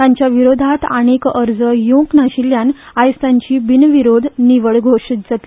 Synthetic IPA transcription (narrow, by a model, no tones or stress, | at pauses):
t̪ãɲt͡ɕjaʋiɾod̪ʱat̪aɽ̃ekəɾd͡zəjõknaɕiljan | ajst̪aɲt͡ɕiːbinʋiɾod̪ʱniʋəɭɡʱoʂit̪̚d͡zat̪i